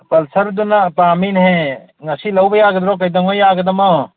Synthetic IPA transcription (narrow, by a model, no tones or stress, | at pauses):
pɐlsɐɾd̪unapaːminɦẽ | ŋɐsilɐwbɐjaːɡd̪ɾoːkɐjd̪ɐŋojaːɡd̪ɐmɐ